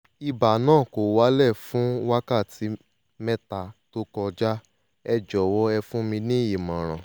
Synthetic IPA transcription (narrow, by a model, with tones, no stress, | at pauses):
i˧ba˨nãː˦˨ko˨wa˨˦lɛ˦˨fũ˨˦wa˦ka˦˨ti˨˦ | mɛ˦ta˨to˦kɔ˧d͡ʒa˦ | ɛ˧d͡ʒɔ˨wɔ˦ɛ˧fũ˦mĩ˧nĩ˦ji˨mã˨ɾ̃ã˨